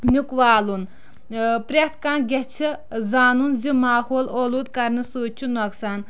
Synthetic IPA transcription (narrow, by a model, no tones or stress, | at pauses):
nukwaːlun | pɾʲeht̪ʰkanɡʲɛht͡ʃʰi | zaːnunzimaːhoːloluːd̪̚kɐɾnɨsuːt͡ʃʰunoksaːn